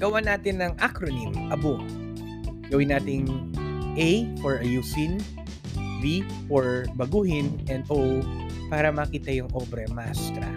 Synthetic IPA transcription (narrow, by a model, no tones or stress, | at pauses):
ɡ̥ɐwanaːt̪ɪnːɐŋʔakɾonimʔɐbo | ɡɐwɪnːaːt̪ɪŋʔɛjfɔɹʔɐjuːsɪn | vi | fɔɹbɐɡuːhɪnʔɛnd̪ʔow | paːɾɐmɐkiːt̪ɐjʊŋʔoːbɾɛmast̪ɾɐ̰